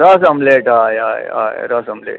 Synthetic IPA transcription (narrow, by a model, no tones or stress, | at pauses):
ɾɐsɐmleːʈaːja̰ːja̰ːjɾɐsɐmlḛːʈ